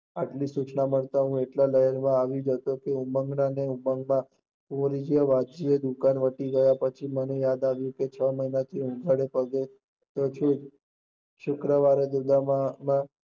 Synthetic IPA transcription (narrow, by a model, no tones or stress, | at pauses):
aʈlisut͡ʃnaməɭt̪aɦũeʈlaləɦəɾmãaʋud͡ʒət̪okeuməŋɡnaneuməŋɡmã | kumɾid͡ʒijəʋad͡ʒied̪ukanʋəʈiɡəjapət͡ʃʰimənejad̪aʋjũket͡ʃʰəməinat̪ʰiũɡʱaɽepəɡe | t̪ot͡ʃʰũd͡ʒ | ʃʊkɾəʋaɾed̪ud̪amã